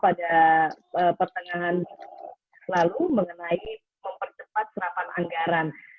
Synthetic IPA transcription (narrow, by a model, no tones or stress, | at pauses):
pada | əpərt̪əŋaɦan | səlaluməŋənai | məmpərt͡ʃəpat̪̚səɾapanʔa̰ŋɡaɾan